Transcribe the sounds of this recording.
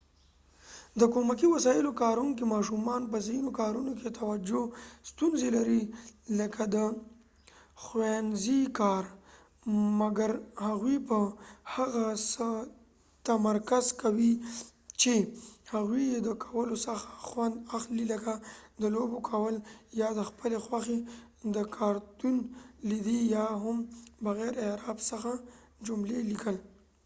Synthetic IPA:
d̪əkomakiwasɑjɪlokɑɾuŋkimɑʃumɑnpəzinokɑɾunoket̪awad͡ʒost̪unzelaɾiləkʰad̪ə | xwanzikɑɾ | maɡaɾhaɣwipəhaɣasə | t̪amaɾkazkawit͡ʃehaɣwied̪əkʰawəlosaxaxwand̪axliləɡad̪əlobokʰawəljɑd̪əxpəlexwaxe | d̪əkʰɑɾt̪unlid̪ijaɦʊmbaɣɛɾeɾɑbsəxa | d͡ʒʊmlelikəl

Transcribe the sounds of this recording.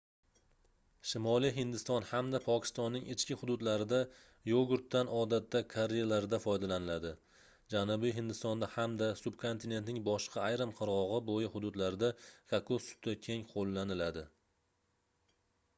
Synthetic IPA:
ʃɪmɒlijɦɪnd̪ɪst̪ɒnhamd̪apʰɒkʲʰɪ̥st̪ɒnːɪŋɪt͡ʃkʲɪhʊd̪ʊd̪laɾɪd̪a | joɡʊɾt̪ːanɒd̪at̪ːakʰaɾejalaɾɪd̪afɒjd̪alanɪlad̪ɪ | d͡ʒanʊbijɦɪnd̪ɪst̪ɒnd̪ahamd̪asʊb̚kʰo̞nt̪ʰɪne̞t̪nɪŋbɒʃqʰɑːjɾamqʰɨɾʁɒʁɨbojɪhʊd̪ʊd̪laɾɪd̪akʰakʰosʊ̥t̪akʲʰe̞ŋqʰolˠːanɪlad̪ɪ

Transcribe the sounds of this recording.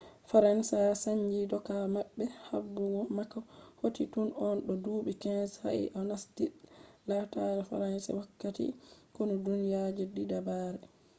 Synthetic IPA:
faɾansaasaɲd͡ʒidɔkamaɓːɛha̰bːuɡɔmakahotitunɔnɗɔduːɓikɛnsha̰ʔḭʔanasdilataɾɛfa̰ɾansa̰wakːatḭkɔnɔdunijad͡ʒɛdidabaːɾɛ

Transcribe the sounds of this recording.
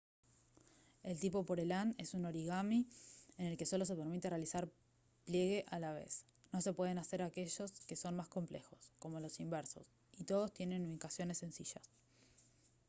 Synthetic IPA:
e̞lt̪ipo̞po̞ɾelane̞suno̞ɾiɣamiene̞lke̞so̞lo̞s̬e̞peɾmit̪erealisaɾ | plje̞ɣe̞ʔalaβ̞e̞̰s | no̞se̞pwe̞ð̞e̞nase̞ɾake̞ʒo̞ske̞so̞nmasko̞mple̞xo̞sko̞mo̞lo̞simbeɾso̞̰s | it̪o̞ð̞o̞st̪je̞ne̞nuβikasjo̞ne̞sːensiʃas

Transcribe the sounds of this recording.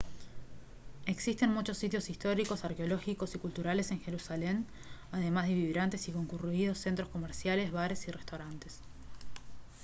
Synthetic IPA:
eksist̪e̞nmut͡ʃo̞sːit̪jo̞sist̪o̞ɾiko̞saɾkeo̞lo̞xiko̞sikult̪uɾale̞se̞ŋxe̞ɾusale̞n | aðe̞mazðeβiβɾant̪e̞siko̞ŋkuruið̞o̞sːe̞nt̪ɾosko̞meɾsjale̞zβaɾe̞sirest̪awɾant̪es

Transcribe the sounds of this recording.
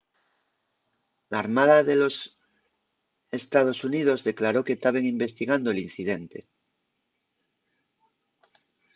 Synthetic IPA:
laːɾmaðaðelo̞s | est̪að̞o̞sunið̞o̞zðe̞klaɾo̞ket̪aβeŋimbe̞st̪iɣand̪oelin̟θiðent̪e̞

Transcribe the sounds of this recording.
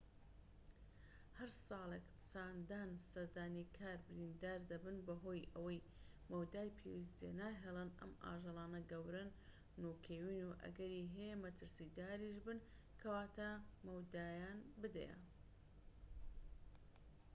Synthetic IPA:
hɐɾsɑːlˠekt͡saːnd̪aːnsɐɾd̪aːnikʰaːɾbɨɾiːnd̪aːɾd̪ɐbɨnbɐɦoːjɐwɐj | mɐwd̪aːjpʰḛwis̬d̪ḛnaːɦelˠɛnʔɐ̰ma̰ːʒelˠɑːnɐɡɐwɾɐnː | uːkʰeːwiːnuʔɐ̰ɡɐɾiːɦejmɐt̪ʰɨɾsid̪aːɾiʃbɨn | kʰɐwaːt̪ɐmɐwd̪aːjaːnbɨd̪ɐ̰jɐ̰

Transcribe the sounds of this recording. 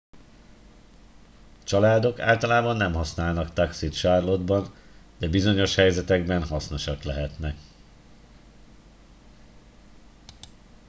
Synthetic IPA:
t͡ʃɒlaːd̪o̞ka̰ːlt̪ɒlaːbɒnːɛmɦɒsnaːlnɒkt̪ɒksit̪ʃarlo̞d̪bɒnd̪̥ɛbizo̞ɲo̞ʃhɛjzɛt̪ɛɡbɛnhɒsno̞ʃɒklɛɦɛt̪nɛk

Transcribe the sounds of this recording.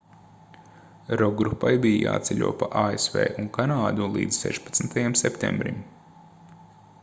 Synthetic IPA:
ɾɔɡɾupːajbijja̰ːt̪sʲɛlʲṵɔpaʔaːesvḛːʔuŋkanaːd̪ulˠḭːd̪zsɛ̰ʃpḁt̪snt̪ʰajamsɛpt̪ḛ̃mbɾḭm

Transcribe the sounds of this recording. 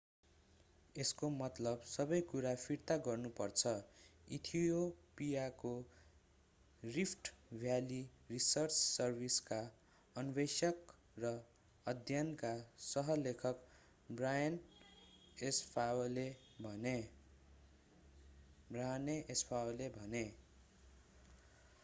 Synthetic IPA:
eskomʌt̪lʌbsʌbʌjkuɾapʰiɾt̪aɡʌrnupʌrt͡sʰʌit̪ʰiopijako | ripʰʈbʱjalirisʌrt͡sːʌrbʱiska | ʌnbesʌk | rʌ | ʌd̪ʱjʌnkasʌɦʌlekʰʌk | brajʌn | espʰaole | bʱʌne | braneʔespʰawolebʱʌne

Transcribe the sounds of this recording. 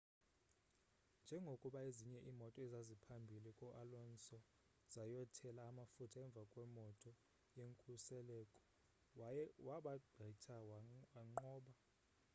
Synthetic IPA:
nd͡ʒʱɛŋɡʱokʼuɓaeziɲɛʔiːmɔtʼɔɛzazipʰambʱilikʼɔʔalɔnsɔ | z̥ajɔtʰɛlaːmafutʰaɛɱb̪vʱakʼwɛmɔtʼɔ | jeŋkʼusɛlɛkʼɔ̥ | waɓaɡ͡ǃʱɛtʰawwaŋ͡ǃɔːɓa

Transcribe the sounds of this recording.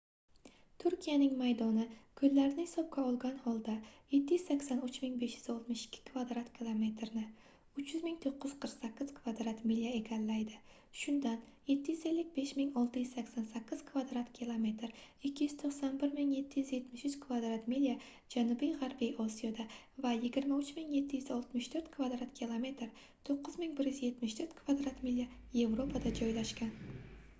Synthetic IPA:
t̪ʰʊɾkʲʰijanɪŋmajd̪ɒnɪkʰɵlːaɾɪnɪhɪsɒp̚kʲaɒlˠɡʲanhɒlˠd̪aje̞t̪ʰːɪjyzsakʲsanʊt͡ʃmɪŋbe̞ʃjyzɒlˠt̪mʊʃɪ̥kʲʰːɪ̥kʰvad̪ɾat̪kʲʰilˠome̞t̪ʰɾnɪ | ʊt͡ʃʰjʏzmɪŋt̪ʰoqʰːɨjɪ̥qʰəɾqsakʲːɪz̥kʰvad̪ɾat̪milʲjae̞kʲʰanːajd̪ɪ | ʃʊnd̪an | je̞t̪ʰːɪjyze̞lːɪk̚ʲbe̞ʃmɪŋɒlˠt̪ɪjyzsakʲsansakʲʰːɪz̥kʰvad̪ɾat̪kʲʰilˠome̞t̪ɾ | ɪkʲʰːɪjyz̥t̪ʰoχsanbɪɾmɪŋje̞t̪ʰːɪjyzje̞t̪mɪʃʏt͡ʃkʰvad̪ɾat̪milija | d͡ʒanubijʁaɾbijɒsijɒd̪a | vajɪɡʲɪɾmaʊt͡ʃmɪŋje̞t̪ʰːɪjyzɒlˠt̪mɪʃt̪ʰɵɾt̪kʰvad̪ɾat̪kʲʰilˠome̞t̪ɾ | t̪ʰoqːɨzmɪŋbɪɾjyzje̞t̪mɪʃt̪ʰɵɾt̪kʰvad̪ɾat̪milʲja | je̞vɾo̞pʰad̪ad͡ʒɒjlaʃkʲan

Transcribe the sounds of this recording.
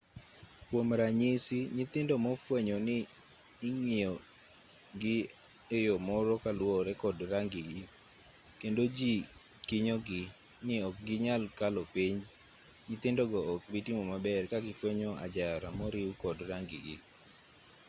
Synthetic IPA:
kwomɾaɲisiɲɪt̪ɪndɔmɔfweɲɔnɪː | ŋio | ɡɪ | ejɔmɔɾɔkalwɔɾɛkɔdɾaŋɡɪɡɪ | kendod͡ʒi | kɪɲɔɡɪ | nɪɔk̚ɡɪɲalkalɔpiɲ | ɲɪt̪ɪndɔɡɔːk̚bitimɔmabɛrkaɡɪfweɲɔa̰d͡ʒaɾamɔɾɪwkɔdɾaŋɡɪ̰ɡɪ̰

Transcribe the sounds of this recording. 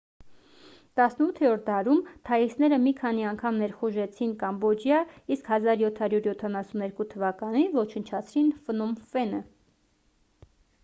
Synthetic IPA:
t̪ɑsnəut̪ʰɛɾɔɾ̚d̪ɑɾumt̪ʰɑjisnɛɾəmikʰɑniɑŋkʰɑmnɛɾχuʒɛt͡sʰinkɑmbɔd͡ʒjɑiskhɑzɑɾjɔt̪ʰhɑɾjuɾjɔt̪ʰɑnɑsunɛɾkut̪ʰəvɑkɑnivɔt͡ʃʰənt͡ʃʰɑt͡sʰɾinfənɔmfɛnə

